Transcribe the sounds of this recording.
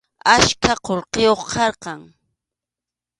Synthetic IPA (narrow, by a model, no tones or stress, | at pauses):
aʃkʰaqoɾqejoχqʰɑɾqɑŋ